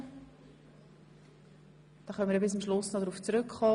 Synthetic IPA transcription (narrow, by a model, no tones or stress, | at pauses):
d̪̥ɑχœnmiəɾbɪs̬əmʃlʊsnodɾuːft͡sɾʏkχɔː